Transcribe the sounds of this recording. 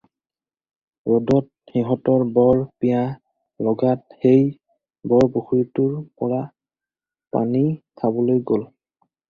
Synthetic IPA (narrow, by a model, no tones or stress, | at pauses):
ɹodɔt̚xiɦɔtɔɹbɔɹpija | lɔɡat̚xej | bɔɹboxuitʊɹpɔɹa | pa̰nit̪ʰabɔlojɡol